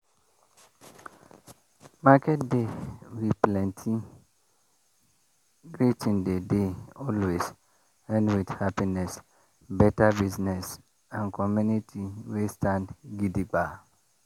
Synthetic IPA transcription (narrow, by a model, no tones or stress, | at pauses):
makʰɛtdewiplɛ̃ntʰi | ɡɾitʰĩndedeɔlwes | ɛ̃nwidhapinɛs | bɛtabiznɛs | ãnkʰɔmũnitʰiwestʰãndɡidiɡ͡ba